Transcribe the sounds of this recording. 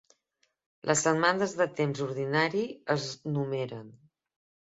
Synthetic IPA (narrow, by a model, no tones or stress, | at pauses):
lʔəzəmand̪əzðət̪emzuɾð̞inaɾiəznumeɾən